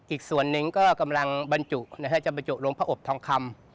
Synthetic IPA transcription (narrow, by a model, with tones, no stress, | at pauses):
ʔiː˨˩k̚su˨˩ənːɯ˨˩ŋkɔː˥˩ka˧mla˧ŋba˧nt͡ɕu˨˩ʔna˧˥kʰaː˦˥˩t͡ɕa˨˩ba˧nt͡ɕu˨˩ɾu˧əpʰaː˦˧˩ʔo˨˩p̚t̪ʰɔː˧ŋkʰa˧m